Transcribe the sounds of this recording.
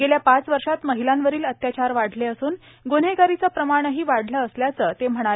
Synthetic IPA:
ɡeljapat͡sʋəɾʂat̪məɦilanʋəɾiːlət̪jat͡ɕaɾʋaɽ̤ʱleəsuːn | ɡon̤eɡaɾit͡səːpɾəmaɽ̃əɦiːʋaɽ̤ʱləːsljat͡səːt̪em̤əɽ̃ae

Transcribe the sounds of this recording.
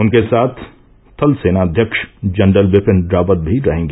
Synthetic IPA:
ʊnkesaːt̪ʰː | ɐlseːnaɐd̪ʱjəkʃd͡ʒɐɳɖəlʋɪpə̃nɖɾaːpət̪̚bʱiɾɐɦẽːŋɡeː

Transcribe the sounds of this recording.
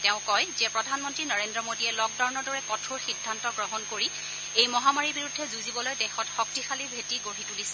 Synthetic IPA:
tɛʊ̃kɔjzɛpɹɔdʱanmɔntɹinaɹendɹɔmodiɛlɔk̚daɹɔnɔɹdɔɹɛkɔtʰuɹxidʱːantɔɡɹɔɦɔnkoɹi | ejmɔɦamaɹibiɹudʱːɛzuzibɔlojdɛxɔtxɔk̚tixʰalibʱetiɡoɹitulisɛ

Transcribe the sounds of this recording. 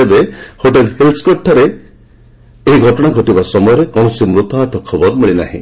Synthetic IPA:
ebehoʈ̬elhelsɔ̥kɔʈʰːaɾe | eɦiɡʱɔʈɔɽ̃aɡʱɔʈibasɔmɔjɔɾekɔɽ̃ɔsimɾut̪ɔɦat̪ʰɔkʰɔbɔɾmeɭina̰ɦḭ̃

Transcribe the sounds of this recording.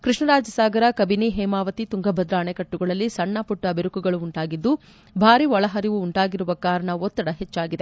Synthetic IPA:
kɾiʂɳɐɾaːd͡ʒɐsaːɡɐɾɐkɐbiniɦɛːmaːʋɐt̪it̪uŋɡɐbʱɐd̪ɾaːɳekɐʈːuɡɐɭɐlːisɐɳːapuʈːɐbiɾukuɡɐɭuːɳʈaːɡid̪ːu | bʱaːɾiʋɔɭɐɦɐɾiʋuːɳʈaːɡiɾuʋɐkaːɾɐɳɐɔt̪ːɐɽɐɦet͡ʃːaːɡid̪e̞

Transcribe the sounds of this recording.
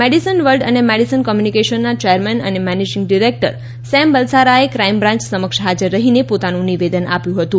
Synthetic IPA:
meɖisənʋəlɖənemeɽisənkɔmjunikeʃənːat͡ʃejəɾmɛnə̰nemɛned͡ʒiŋɡɖiɾek̚ʈə̰ɾ | sɛmbəlsaɾaekɾaimbɾãɲt͡ʃsəməkʃɦad͡ʒəɾːəɦinepot̪anũniʋed̪əna̰pjũɦət̪ũ

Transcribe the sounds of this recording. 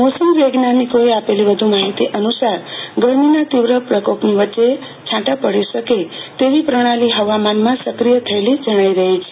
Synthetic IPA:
mosumʋeɡnanikojapelibəd̪ʱumaɦit̪iʔənusaɾɡəɾminat̪iʋɾəpɾəkopniʋət͡ʃe | t͡ʃʰãʈapəɽisəket̪eʋipɾəɽ̃aliɦəʋamanmãsəkɾijət̪ʰəelid͡ʒʱəɽ̃ajɾəɦet͡ʃʰ

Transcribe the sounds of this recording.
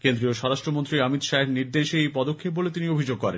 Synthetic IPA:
kend̪ɾioʃɔɾaʃʈɾomont̪ɾiamit̪ʃaeɾniɾd̪eʃeejpɔd̪okʰːep̚bolet̪iniobʱid͡ʑoɡ̚kɔɾḛn

